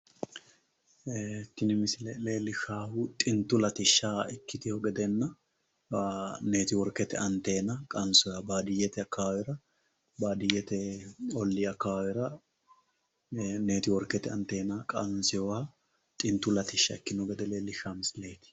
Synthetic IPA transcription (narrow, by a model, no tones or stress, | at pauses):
t̪ːɪnɪmɪslɛleːlːɪʃaːhʊt̪ʼɪnt̪ːʊlɐt̪ɪʃːaːɪkːɪt̪ɪhɔɡɛd̪ɛnːɐ | ne̞ːt̪ɪwɔɾkːɛt̪ɛ̰ɐnt̪e̞ːnɐkʼɐnsʊjaːbaːd̪ɪjːɛt̪ɛɐkːaawɛɾɐ | baːd̪ɪjɛt̪ɛɔlːɪɐkːaawɛɾɐ | ne̞ːt̪ɪwɔɾkːɛt̪ɛɐnt̪e̞ːnɐkʼɐnsɪjɔwa | t̪ʼɪnt̪ːʊlɐt̪ɪʃːɐ̰ɛkːɪnɔɡɛd̪ɛleːlːɪʃaːmɪsɪle̞ːt̪ɪ̥